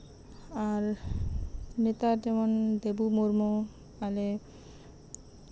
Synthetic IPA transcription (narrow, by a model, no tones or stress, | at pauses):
aɾ | net̪aɾd͡ʑɛmond̪ebumoɾmo | ale